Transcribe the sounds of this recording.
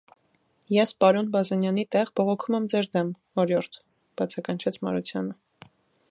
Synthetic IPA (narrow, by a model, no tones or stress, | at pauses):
jɛspɑɾɔnbɑzɑnjɑnit̪ɛʁbɔʁɔkʰumɛmd͡zɛɾd̪ɛm | ɔɾjɔɾt̪ʰ | b̥ɑt͡sʰɑkɑnt͡ʃʰɛt͡sʰmɑ̰ɾut͡sʰjɑnə